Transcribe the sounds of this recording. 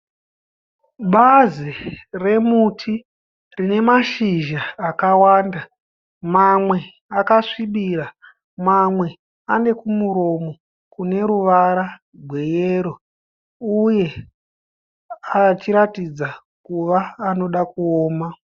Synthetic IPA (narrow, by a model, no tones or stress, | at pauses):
ɓazire̞mutʰi | rine̞maʃiʒaːkawaːnda | mamwe̞ | akaʂiɓira | mamwe̞ | ane̞kumuɾo̞mo̞ | kune̞ɾuʋaɾa | ɡʱwe̞jeɾo̞ | uje̞ | at͡ʃiɾatid͡za | kuʋaːno̞ɗakuoːma